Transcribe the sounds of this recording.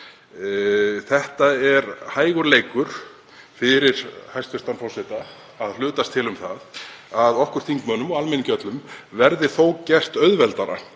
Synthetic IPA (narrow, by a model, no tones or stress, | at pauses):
θɛht̪aɛɾhaːjɣʏɾleːjkʏɾ̥ | fɪɾɪɾ̥hajst̪fɛst̪anfɔwsɛt̪aː | ðlʏːt̪ast̪ʰɪlʏmθaðaðɔhkʏɾ̥θiŋkmœːnːʏmɔɣalmɛncœt̪lʏmvɛɾðɪθowcɛr̥t̪œɥðvɛlt̪aɾa̰